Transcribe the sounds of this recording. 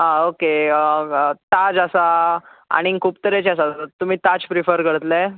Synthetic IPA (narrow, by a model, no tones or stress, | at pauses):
aoke | t̪ad͡ʑasaa̰ɽ̃ĩkʰuːp̚t̪əɾet͡ɕas̬at̪um̤iːt̪ad͡ʑpɾifəɾkəɽət̪la